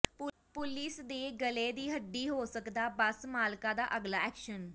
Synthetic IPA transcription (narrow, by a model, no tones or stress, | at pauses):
pʊlɪsd̪eːɡəleːd̪iːɦəɖːiːɦoːsəkd̪aːbəsmaːlkaːd̪aːʔəɡlaːɛːkʃən